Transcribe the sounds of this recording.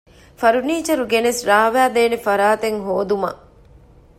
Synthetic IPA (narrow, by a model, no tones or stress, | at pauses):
fɐɾuniːt͡ʃɐɾuɡenesɾaːʋæːd̪eːnefɐɾaːt̪eŋɦoːd̪umɐ̰